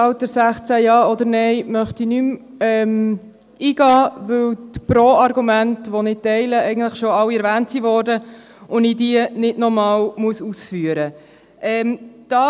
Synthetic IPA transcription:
ɑwt̚dəɾsæχt͡sæjɑːɔd̪əɾnɛɪmœχtinym | ɛm | iːɡɑːʋɵwt̪pɾoːɑɾɡumæntʋonɪtɛɪləɛɪɡən̩d̥ləχʃoɑlːiɛɾvæːntsivɔːɾdə | ʊnidiənɪdnɔmɑːwmuəsusfyːəɾə | ʔɛmd̥ɑː

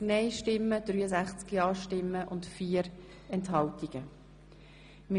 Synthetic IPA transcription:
nɛɪʃtɪmːəd̥ryːəsæχt͡skiɑːʃtɪmːəʔʊntfiːəɾ | ɛntɦɑltiɡ̥ə | mɪ

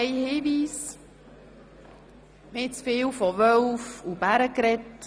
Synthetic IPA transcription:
jhiːʋiːs | mɪt͡sfɪːwfɔʋœwfub̥æɾəkɾɛt

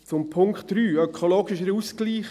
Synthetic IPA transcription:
t͡sʊmpʰʊŋkχtɾyːœkʰoloːɡɪʃəɾuːskliːχ

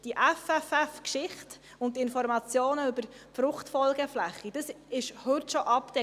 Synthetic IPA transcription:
d̥iʔɛfɛfɛfkʃɪχt | ʊntːɪnfɔɾmɑt͡sjoːnəybəɾ | fɾʊχtfɔlɡəflæχːid̥əs | ɪʃhʏtʃɔʔɑptɛ

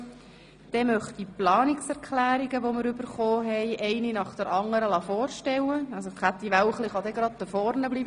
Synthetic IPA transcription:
d̪̥ɛmœχtiplɑːniksɛɾkχlæːɾiɡəʋoməɾʏbəɾχoːɦɛɪʔɛɪninɑχd̥̪əɾʔɑŋːəɾəlɑfɔːɾʃtɛwəɑsokæt̪ːiʋæwχliχɑd̪ɛɡɾɑd̪̚d̪əfɔrnəblibə

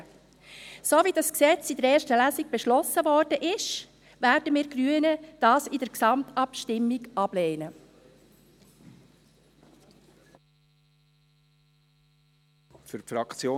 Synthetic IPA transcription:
soːvidɑsksɛt͡sidəɾɛːɾʃtəlæːziɡ̥̚b̥eʃlɔsəvɔɾdəʔɪʃ | væːɾdəmiːɾɡɾyənəd̥ɑːsɪdəɾksɑmtɑpʃtɪmːiɡɑb̥leːnə | fʏɾpfɾɑkt͡sjoː

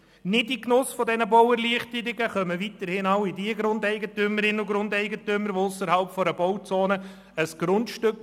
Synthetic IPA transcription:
nɪdiknʊsfɔdɛnəbɔwɛɾliəχtəɾɪɡəχœməvitəɾhɪnaʊɪdiəɡɾʊndɛɪɡətyməɾɪnʊɡɾʊndɛɪɡətʏməɾʋoʊsəɾhɑlpfɔɾəbɔwt͡soːnə | əsɡ̥ɾʊntʃtøk

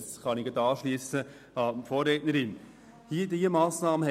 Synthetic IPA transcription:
sχɑniɡɑd̪ɑːʃliəsə | ɑmfoːɾːɛtnəɾɪn | hiədiəmɑːsnɑːməhɛ

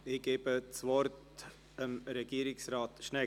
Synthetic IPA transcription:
ɪɡ̥eːbət͡svɔɾt | əmɾɛɡ̥iːəɾɪksɾɑːt̪ʃnɛ

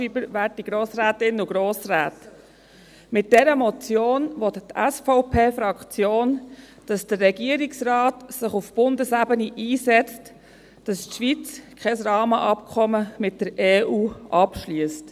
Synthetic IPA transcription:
ibəɾʋæːɾtiɡ̥ɾoːsɾæːtɪnuɡɾoːsɾæːt | mɪt̚d̥ɛɾəmɔt͡sjoːnʋɔt̪tæsfɔʊpʰeːfɾɑkt͡sjoːn | d̥ɑsd̥ərːɛɡiəɾiksrɑːtsɪχufb̥ʊndəsæbəniʔiːsɛt͡st | d̥ɑstʃʋit͡skʰɛsrɑːməʔɑpkʰɔməmɪt̚d̥əɾeːʔuːʔɑpʃlyəst

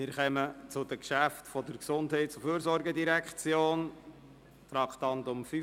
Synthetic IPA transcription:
mɪːɾχɛmət͡sʊd̥əkʃæftfɔdəɾksʊndhɛɪtsʊfyːɾsɔɾɡədiɾækt͡sjoːn | t̪ɾɑktɑntʊmfy

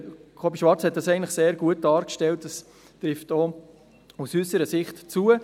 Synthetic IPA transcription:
kʰɔbiʃʋɑɾt͡shɛt̚d̥ɑsɛɪɡntləχseːɾɡuət̚d̥ɑːɾkʃtɛltdɑs | tɾɪfto | usysəɾəsɪχtt͡suə

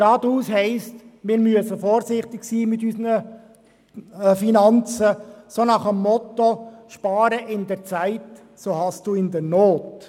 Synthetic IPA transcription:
ɾɑːd̪uːshɛɪstmɪːɾmyəsəfɔːɾsɪχt̪ɪɡsiːmɪt̪ysnə | finɑnt͡səsonɑχəmːɔt̪oʃpɑːɾəʔɪndɛɾt͡saɪt | soːhɑstd̥uːɪnd̪ɛɾnoːt

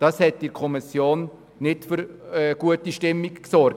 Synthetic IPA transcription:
d̥ɑshɛtdɪkʰɔmisjoːn | nɪtfʏɾɛɡ̥uətiʃtɪmːikksɔɾ

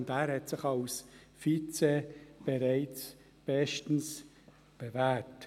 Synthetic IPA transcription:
ndæːɾhɛtsɪχalsfit͡seb̥eɾæɪt͡s | b̥ɛʃtn̩s | b̥evæːt

